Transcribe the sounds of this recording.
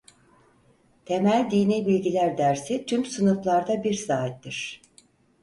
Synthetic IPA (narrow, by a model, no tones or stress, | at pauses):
t̪ʰemælʲd̪iːniːbilʲɟilʲæɾd̪æɾsit̪ʰymsɯnuflˠaɾd̪abiɾsaːɦit̪ːiɾ̝̥